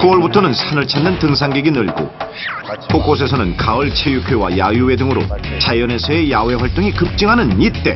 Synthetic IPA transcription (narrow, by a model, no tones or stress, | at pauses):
kuwʌɭbutʰʌnɯnsʰanɯɭt͡ɕʰanːɯntɯŋsʰaŋɡeɡinɯɭɡo̰ | pʰok͈os̬ʰe̞sʰʌnɯnkaɯɭt͡ɕʰejukʰowajajue̞dɯŋɯɾo̰t͡ɕajʌne̞sʰʌe̞jawe̞ɸwaɭt͈oŋikɯp̚t͡ɕ͈iŋɦanɯnit̚t͈e̞̰